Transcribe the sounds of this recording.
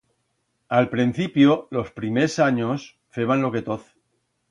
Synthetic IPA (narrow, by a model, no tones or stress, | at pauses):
alpɾin̟θipjolo̞spɾimesaɲos | feβ̞anloke̞t̪oθ